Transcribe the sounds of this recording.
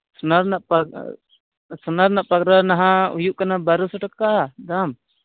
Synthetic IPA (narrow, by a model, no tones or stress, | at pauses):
sunaɾnaʔpa | sunaɾnaʔpakɾanaɦãṵjuʔkanabaɾusɔʈəkːad̪am